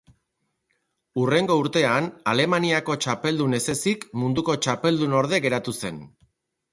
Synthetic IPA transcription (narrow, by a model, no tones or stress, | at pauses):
ure̞ŋɡo̞uɾt̪e̞anale̞maniako̞t͡ʃape̞ld̪une̞se̞sikmund̪uko̞t͡ʃape̞ld̪uno̞ɾðe̞ɣe̞ɾat̪use̞n